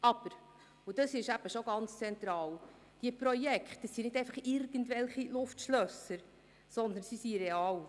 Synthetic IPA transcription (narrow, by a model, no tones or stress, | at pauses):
ɑb̥əɾ | ud̥̪əsɪʃæb̥əʃoɡ̥ɑnt͡st͡sɛnt̪ɾɑːl | d̥iəpɾɔjɛkχt̪əsinɪdɛɪfɑχɪɾɡ̥ən̩tvɛlχilʊftʃlœsəɾ | sɔnd̪ənsisiɾɛɑːl